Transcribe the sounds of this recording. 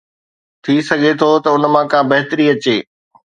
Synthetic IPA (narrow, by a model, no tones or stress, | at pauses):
t̪ʰisɐɡʱet̪ʰot̪ɐʊnmãkʰãːbɐɦɪt̪əɾiɐt͡ɕeː